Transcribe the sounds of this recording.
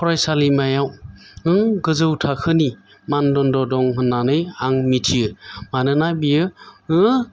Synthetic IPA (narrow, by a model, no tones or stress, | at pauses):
pʰɔɾajsalimajawɯŋɡɯzɯwtʰakʰɯni | mandɔndɔdɔŋhɯnːanɯjaŋmitʰijɯmanɯnabijɯɯ